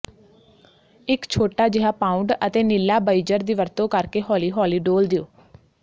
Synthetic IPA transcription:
ɪkt͡ʃʰoːʈaːd͡ʒɪɦaːpãːʊɳɖət̪eːnɪlːaːbaːid͡ʒəɾd̪iːʋəɾt̪õːkəɾkeːɦɔːliːɦɔːliːɖoːld̪ɪoː

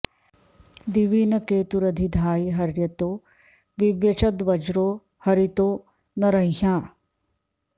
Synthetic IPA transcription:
d̪iʋinɐkeːt̪uɾɐd̪ʱid̪ʱaːiɦɐɾjɐt̪oː | ʋiʋjɐt͡ʃɐd̪ʋɐd͡ʒɾoː | hɐɾit̪oː | nɐɾɐĩɦãː

